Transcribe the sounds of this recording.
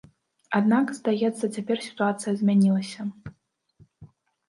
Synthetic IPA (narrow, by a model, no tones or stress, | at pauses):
ad̪nakzd̪ajɛt̪sːɐt͡sʲapʲɛrsʲi̥t̪uat̪sɨjɐzʲmʲanʲilˠɐsʲɐ